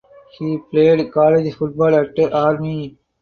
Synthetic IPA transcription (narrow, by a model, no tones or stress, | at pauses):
hiːpleːɖkɔːled͡ʒfʊʈ̚bɔːlæk̚ʈəɾʔaːɾmi